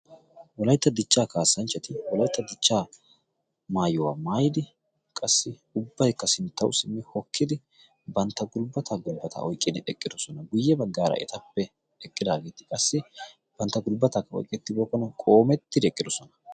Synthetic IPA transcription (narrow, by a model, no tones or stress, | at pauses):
wɔlɐjt̪ːɐd̪ɪt͡ʃːaːkaːsːɐnt͡ʃːɐt̪ɪwɔlɐjt̪ːɐd̪ɪt͡ʃːaː | maːjɔwa̰ːmaːjɪd̪ɪ | kʼɐsːɪ | ʊbːɐjkːɐsɪnt̪ːɐwsɪmːɪhɔkʰːɪd̪ɪ | bɐnt̪ːɐɡʊlbɐt̪ʰaɡʊlbɐt̪ʰa̰ʔɔjkʼːɪd̪ɪɛkʼːɪd̪ɔsɔnɐɡʊjːɛbɐɡːaːɾɐ̰ɛ̰t̪ɐpːɛ | ɛkʼːɪd̪aːɡe̞ːt̪ɪ̥kʼɐsːɪ | b̥ɐnt̪ːɐɡʊlbɐt̪akːɐɔ̰jkʼɛt̪ːɪboːkːɔnɐkʼo̞ːmɛt̪ːɪd̪ɛkʼːɪd̪ɔsɔnɐ̥